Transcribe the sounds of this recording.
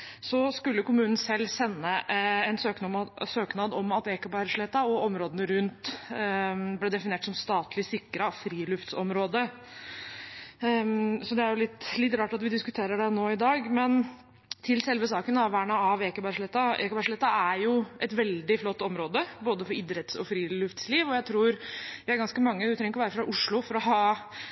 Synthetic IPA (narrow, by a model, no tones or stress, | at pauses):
sɔskʉlːəkʊmʉːnn̩sɛlːsɛnːəɛnsøːk̪søːknɑd̪ɔmɑt̪eːkəbæɾʂlɛt̪ːɑɔɔmɾoːd̪ənəɾʉnt̪ | blɛd̪ɛfɪnɪeːʈsɔmst̪ɑːt̪lɪsɪkːɾɑfɾiːlʉft̪sɔmɾoːd̪ə | sɔd̪ɛæɾjʊlɪt̪ːlɪt̪ɾɑːʈɑt̪ʋɪd̪ɪskʉt̪ʰeːɾəɖɛnoːɪd̪ɑːɡmɛn | t̪ʰɪlsɛlʋəsɑːkənɑʋʋæːɳɑɑʋeːkəbæʂlɛt̪ːɑḛːkəbæʂlɛt̪ːɑæɾjʊʔɛt̪ʋɛld̪ɪflɔt̪ːɔmɾoːd̪əboːd̪əfɔɾɪd̪ɾət̪sɔ̰fɾiːlʉft̪sliːʋɔjæɪt̪ʰɾuːɾʋɪæɾɡɑnskəmɑŋːət̪ɾɛŋəkɔʋæːɾəfɾɑʔʊʂɭʊfɔɾɔɦɑː